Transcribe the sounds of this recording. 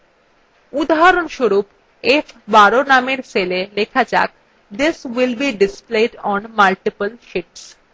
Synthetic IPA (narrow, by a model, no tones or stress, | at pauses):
ud̪aɦaɾonʃoɾup | efbaɾonameɾselelekʰad͡ʑa̰k̚ | d̪iswilbiɖisplejɖɔnmalʈipəlʃiʈs